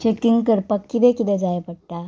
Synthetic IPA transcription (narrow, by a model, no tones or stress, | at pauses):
t͡ɕekiŋɡkəɾpakːit̪ɛkit̪ɛd͡zajpəɽʈ̪a